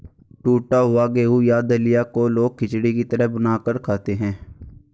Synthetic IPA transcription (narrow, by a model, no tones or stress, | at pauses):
ʈuːʈaɦʊaɡeːujaːd̪əlɪjakoloːɡ̚kɪt͡ʃɽikit̪əɾəɦbənaːkəɾkʰaːt̪eɦɛ̃ː